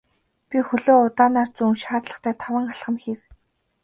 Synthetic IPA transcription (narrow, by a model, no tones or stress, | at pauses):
pʲixɵɮoːʊt̪aːnaːrt͡sunʃaːt̪ɮə̥̆χt̪ʰæːt̪ʰawə̆ŋaɮχə̆mxiw